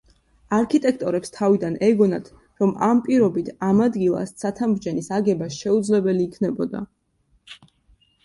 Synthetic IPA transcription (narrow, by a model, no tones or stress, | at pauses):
aɾkʰit̪ʼɛkʰt̪ʼɔɾɛpst̪ʰavid̪anɛɡɔnat̪ʰ | ɾɔmampʼiɾɔbit̪ʰamad̪ɡilˠa̰st̪sʰat̪ʰamɾd͡ʒɛnisaɡɛbasʃɛud̪zlɛbɛliːkʰnɛbɔd̪a̰